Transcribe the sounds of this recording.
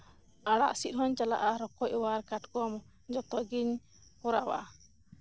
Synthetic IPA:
aɽa̰ʔsit̪̚ɦɔɲt͡ʃala̰ʔaɾɔkɔʔwaɾkatkɔmɔ | d͡ʒɔt̪ɔɡiɲ | pɔɾawa̰

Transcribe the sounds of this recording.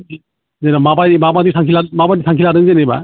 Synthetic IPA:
zenamabajimabadisʰaŋkʰilamabadisʰaŋkʰilaɾɯnzeneba̰

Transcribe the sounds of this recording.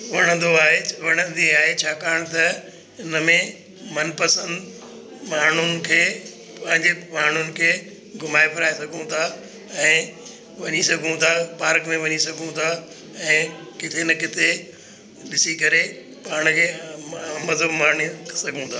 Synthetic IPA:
ʋɐɽ̃ə̃nd̪oaːɦeʋɐɽ̃ə̃nd̪iaːɦet͡ɕʰaːkaːɾɽ̃t̪ɐ | ɪnəmẽ | mɐnpɐsə̃nd̪ | maːɳ̤ʊnɪ̆kʰeː | pɐ̃ɦɪ̃ɲd͡ʑemaːɳ̤ʊnɪ̆kʰeː | ɡʱʊmaːipʰɐɾaːesɐɡʱũt̪ʰaː | ɛ̃ː | ʋɐɲisɐɡʱũt̪ʰapaːɾkmẽʋɐɲisɐɡʱũt̪ʰaː | ɛ̃ːkɪt̪ʰenɐkɪt̪ʰe | ɗɪsikɐɾe | paːɾɽ̃kʰeː | mɐzʱəbmaːɳisɐɡʱũt̪ʰaː

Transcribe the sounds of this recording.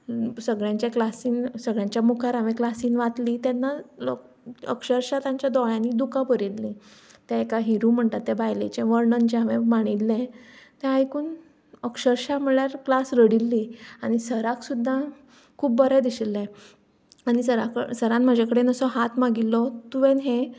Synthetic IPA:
səɡɭjãɲt͡ɕjaklasiːnsəɡɭjãɲt͡ɕjamukʰaɾaʋẽklasiːnʋat̪liːt̪janːalo | ə̰kɕəɾɕat̪jãɲt͡ɕjad̪ɔɭjãnːiːd̪ukapəɾilli | t̪aekaɦiɾum̤əɳt̪at̪ːɛbajlḛt͡ɕẽʋəɾɳənt͡ɕeaʋemaɽ̃ilːẽt̪ẽãjkuːn | əkʂəɾɕam̤əɭjaɾklasɾəɽilːiañisəɾaksud̪ʱːa | kʰuːbːəɾɛd̪iɕilːẽ | aɽ̃isəɾasəɾãnm̤əd͡ʑʱakəɽenəsɔɦat̪maɡilːɔt̪uʋẽnɦe

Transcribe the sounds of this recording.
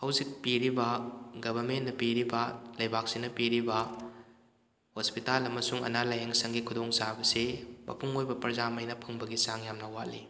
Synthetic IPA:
hɐwzik̚piɾibɐɡɐbʱɐɾmenːɐpiɾibɐlɐjbak̚sinɐpiɾibɐ | hospitalɐmɐsuŋɐ̰nalajɦeŋsɐŋɡikʰudoŋsabɐsemɐ̰pʰuŋojbɐpɐɾzamɐjnɐpʰɐŋbɐɡisaŋjamnɐwaʔ̚li

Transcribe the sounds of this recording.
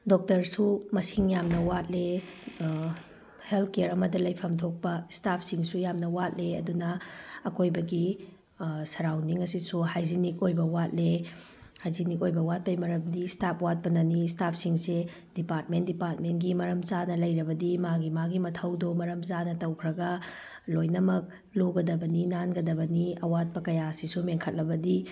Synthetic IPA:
dok̚tɐɾsumɐsiŋjamnɐwat̚le | helt̚ʰkeɾɐmɐdɐlɐjpʰɐmtʰok̚pɐstap̚ʰsiŋsujamnɐwat̚leɐdunɐːkojbɐɡi | sɐɾawniŋɐsisuhajzinik̚ojbɐwat̚le | hajzinikojbɐwat̚pɐjmɐɾɐmdistapʰwat̚pɐnɐnistap̚ʰsiŋse | dipaɾt̚mentdipaɾt̚mentɡimɐɾɐmzanɐlɐjɾɐbɐdimaɡimaɡimɐtʰɐwdomɐɾɐmzanɐtɐwkʰɾɐɡɐ | lojnɐmɐk̚ | loɡɐdɐbɐninanɡɐdɐbɐniɐwat̚pɐkɐjasisumeŋkʰɐt̚lɐbɐdi

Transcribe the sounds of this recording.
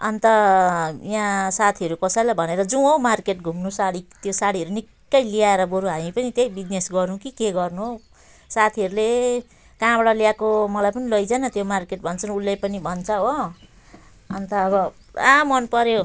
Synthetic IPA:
ʌnt̪ʌjãsat̪ʰiʌɾukʌsajlabʱʌneɾʌd͡zũomarkeʈ̚ɡʱumnusaɽit̪josaɽiɦʌɾunikːʌjliaeɾʌboɾuɦamĩpʌnit̪jejbid͡znesɡʌrnũkikeɡʌrnuɦo | sat̪ʰiʌɾule | kãbɽaljakomʌlajpʌnilʌjd͡zanʌt̪jomarkeʈ̚bʱʌnt͡sʰʌnulːepʌnibʱʌnt͡sʰʌɦo | ʌnt̪ʌːbʌ | amʌnpʌɾjo

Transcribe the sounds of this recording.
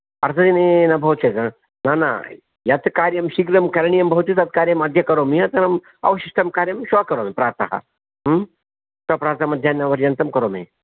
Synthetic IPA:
ɐɾzɐinenɐbʱɐɦut̪t͡ʃɐzɐ | nana̰ | jɐt̪kaːɾjɐmʃikɾɐmkɐɾɳijɐmbɐɦut̪it̪ɐt̪̚kaːɾjɐmɐd̪ʱjɐkɐɾomiɐt̪ɐnɐm | ɐ̰ʋɐʃiʃʈ̪ɐmkaːɾjɐmʃʋakɐɾoːmepɾaːɾt̪ɐ̰hɐ̰ | t̪ɐpɾaːɾt̪ɐmɐd̪ʱjaːnɐʋɐɾjɐnt̪ɐmkɐɾoːmḛ

